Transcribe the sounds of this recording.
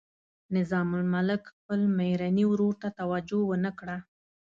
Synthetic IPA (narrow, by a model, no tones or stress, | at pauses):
nɪzɑmʊlmalɪkxpəlmajɾaniwɾoɾt̪at̪awad͡ʒowənəkɽa